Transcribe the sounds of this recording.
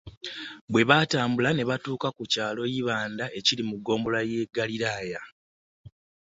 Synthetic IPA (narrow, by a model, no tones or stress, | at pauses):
bwe̞βataːmbulane̞βatuːkakucaːlo̞jiβaːndaʔe̞cilimuɡo̞ːmbo̞lajeɡaliɾaːja